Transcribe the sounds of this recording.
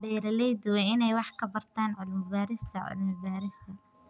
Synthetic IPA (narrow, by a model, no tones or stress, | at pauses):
bɛːɾɐlɛjd̪ʊwɛɪnɛjwɑħkʰɐbɐrt̪ʰaːnʕʊlmɪbaːɾɪst̪ʰɐʕʊ̰lmɪbaːɾɪst̪ʰɐ